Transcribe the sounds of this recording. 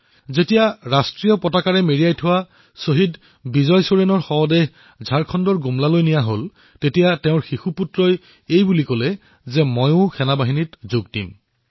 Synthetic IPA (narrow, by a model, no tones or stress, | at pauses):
zetijaɹastɹijɔpɔtakaɹɛmeɹiajtʰʊwa | soɦid | bizɔjsoɹenɔɹxɔɔdeɦ | zʱaɹkʰɔndɔɹɡumlalojnijaɦol | tetijatɛʊ̃ɹxixuputɹɔj | ejbulikɔlɛ | zɛmɔjʊ̃xʰɛnabaɦinitzoɡdḭm